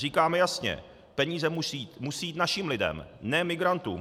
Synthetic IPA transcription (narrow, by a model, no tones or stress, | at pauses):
riːkaːmɛjasɲɛ̰ | pɛɲiːzɛimusijiːt̪naʃiːmlɪdɛ̰mnɛːmɪɡɾant̪ṵːm